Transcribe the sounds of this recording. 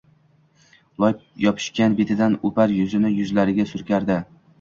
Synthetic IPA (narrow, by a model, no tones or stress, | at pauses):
lˠɒjjɒpʰɪ̥ʃkʲanbet̪ʰɪd̪anopaɾjʊzɪnɪjʊzlaɾɪɡʲasʊɾkʲaɾd̪ɪ